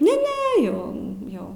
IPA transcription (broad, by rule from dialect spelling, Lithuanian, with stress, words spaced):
nʲɛ ˈnʲɛ ˈjɛʊ ˈjɛʊ